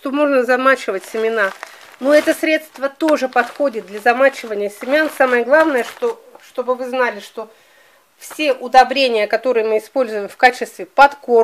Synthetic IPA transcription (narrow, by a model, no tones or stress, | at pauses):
t̪o̞mo̞ʐnəzɐmat͡ɕɪvətʲsʲɪmʲɪna | noɛt̪əsɾʲe̞t̪st̪vət̪o̞ʐɨpɐt̪xo̞dʲɪt̪̚d̪lʲɐzɐmat͡ɕɪvənʲɪjəsʲɪmʲansaməjəɡlˠavnəjəʂt̪oʂt̪o̞bɨvɨznalʲɪʂt̪o̞ | fsʲeʔʊd̪ɐbɾʲenʲɪjəkɐt̪o̞ɾɨjəmɨɪspo̞lʲzʊjɪmfkat͡ɕɪst̪vʲɪpɐt̪ko